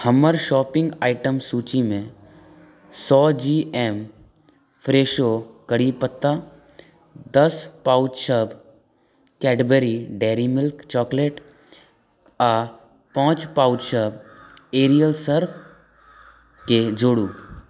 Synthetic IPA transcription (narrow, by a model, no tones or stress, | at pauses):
həməɾʃɔːpɪ̃ŋɡaːɪʈəmsuːt͡ʃimẽ | sɔːd͡ʒiːɛːm | pʰɾeːʃokəɽipət̪ːa | d̪əspaːʊd͡ʒʃəb | kɛːʈbeɾiɖɛːɾimɪlkt͡ʃɔːkleːʈ | aː | pãːt͡ʃpaːʊd͡ʒʃəbeːɾijəlsəɾpʰ | ked͡ʒoːɽuː